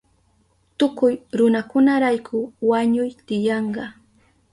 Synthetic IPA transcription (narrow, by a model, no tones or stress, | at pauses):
t̪ʊkʊjɾʊnakʊnaɾajkʰʊwaɲʊjt̪ɪjɑɴɢɑ